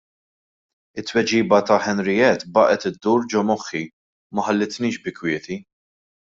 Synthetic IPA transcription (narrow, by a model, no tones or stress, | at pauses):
ɪt̪ːwɛd͡ʒiːbɐt̪ɐħɛnɾɪjɛt̪bɐːʔɛt̪ɪd̪ːuːɾd͡ʒɔmɔħːi | mɐħɐlːɪt̪niːʃbɪkwɪːt̪i